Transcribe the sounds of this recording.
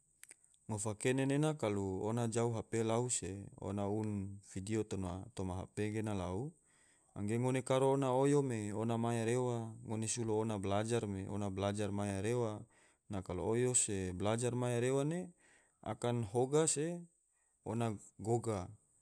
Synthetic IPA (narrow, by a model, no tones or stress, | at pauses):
ŋofakenenenakaluonad͡ʒauɦapelauseo̰naunfidiot̪ona̰t̪omaɦa̰peɡenalau | a̰ŋɡeŋonekaɾoːnaojomeonamajaɾewaŋonesuloːnablad͡ʒarmeʔo̰nablad͡ʒarmajaɾewa | nakalo̰ojoseblad͡ʒarmajaɾewane | a̰kanɦoɡase | onaɡoɡa